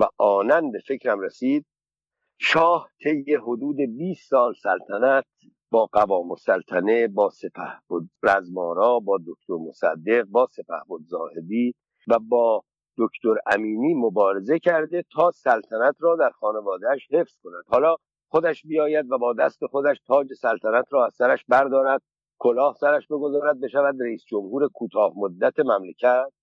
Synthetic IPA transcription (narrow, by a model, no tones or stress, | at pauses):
væʔɒːnænbe̞fe̞cʰɾæmɾesiːd̪̥̚ | ʃɒːht̪ʰe̞jeɦod̪uːd̪e̞biːsːɒːlsælt̪ʰænæt̪̚ʰ | b̥ɒːɡævɒːmosælt̪ʰæne̞bɒːsepʰæ̰hbod̪̚ɾæzmɒːɾɒːbɒːd̪okt̪oɾmosæ̰d̪ːe̞ɣ̚bɒːse̞pæ̰hbod̪zɒːhe̞d̪iː | væbɒː | d̪̥okʰt̪oɾæ̰miːniːmobɒːɾe̞ze̞cʰæɾd̪e̞t̪ʰɒːsælt̪ʰænæt̪ʰrɒːd̪æɾxɒːne̞vɒːd̪eːʃhe̞fz̥ko̞næd̪̥hɒːlɒː | xod̪æʃbijɒːjæd̪væbɒːd̪æst̪e̞xo̞d̪æʃt̪ʰɒːd͡ʒe̞sælt̪ʰænæt̪ʰɾɒːæz̥sæɾæʃbæɾd̪ɒːɾæd̪̥̚ | kʰolɒːhsæɾæʃbe̞ɡo̞zɒːɾæd̪̚be̞ʃævæd̪ɾeiːsd͡ʒo̞mhuːɾe̞kʰuːt̪ʰɒːhmod̪ːæt̪ʰe̞mæmlecʰæt̪̚